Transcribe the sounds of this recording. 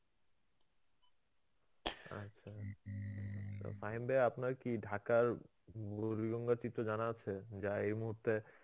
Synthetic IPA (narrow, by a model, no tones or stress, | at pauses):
a̰tːɕʰa | a̰faɦimbeapnaɾkiɖʱakaɾ | buɾiɡoŋɡat͡ɕit̪ːɾod͡ʑanat͡ɕʰed͡ʑaejmuɦuɾt̪ːe